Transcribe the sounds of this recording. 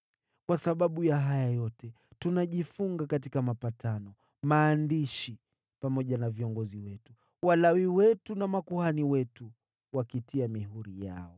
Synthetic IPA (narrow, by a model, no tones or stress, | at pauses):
kwasaɓaɓujaɦajajɔtɛ | tunaʄifuŋɡakatikamapatʰanɔ | maːndiʃi | pamɔʄanaviɔŋɡɔziwɛtu | walawiwɛtunamakuhaniwɛtu | wakitiamiɦuɾija̰ɔ